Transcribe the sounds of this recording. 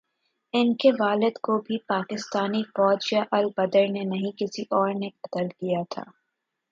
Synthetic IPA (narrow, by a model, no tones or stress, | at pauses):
ɪnkeʋaːlɪd̪kobʱipaːkɪst̪aːnifɔːd͡ʒjaʔɐlbɐd̪əɾnenɐɦĩkɪsiʔɔːɾnebɐt̪əlkijat̪ʰa̰ː